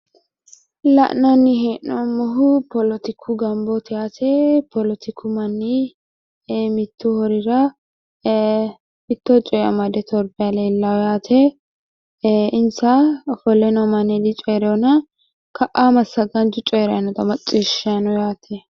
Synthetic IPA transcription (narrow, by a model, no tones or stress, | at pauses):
lɐ̰ʔnɐnːɪheːʔnɔmɔɦʊpɔlɔt̪ɪkʰːʊɡɐmbɔt̪ɪjaːt̪ɛpʰɔlɔt̪ɪkʰːʊmɐnːi | mɪt̪ːuhɔɾɪɾɐ | ɪt̪ːɔt͡ʃʼɔjɐ̰mɐd̪ɛt̪ɔɾbɪjaleːlːɐwjaːt̪ʰɛ | ɪnsɐfɔlɛnɔmɐnɛd̪ɪt͡ʃʼɔjɾɛɔnɐ | kɐʔamɐsːɐɡɐnt͡ʃʊt͡ʃʼɔjɾɛɐnɔt̪ɐmɐt͡ʃʼːiʃɐnɔjaːt̪ʰɛ